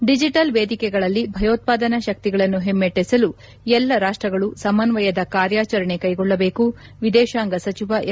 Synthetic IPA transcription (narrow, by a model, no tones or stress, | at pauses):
ɖid͡ʒiʈɐlʋeːd̪ʱikɛɡɐɭɐlːibʱɐjoːt̪̚paːd̪ɐnɐʃɐk̚t̪iɡɐɭɐnːuɦemːeʈːesɐlu | ɛlːɐɾaːʂʈɾɐɡɐɭusɐmɐnʋɐjɐd̪ɐkaːɾjaːt͡ʃɐɾɐɳe̞kɐjɡɔɭːɐbe̞ːku | ʋid̪ɛːʃaːŋɡɐsɐt͡ʃiʋɐ